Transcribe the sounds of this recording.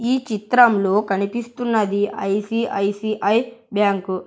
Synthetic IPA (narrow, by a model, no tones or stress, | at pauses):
iːt͡ʃit̪ɾɐmlo̞ːkɐnipist̪unːɐd̪iɐ̰jsiɐjsiʔɐjbjaːŋku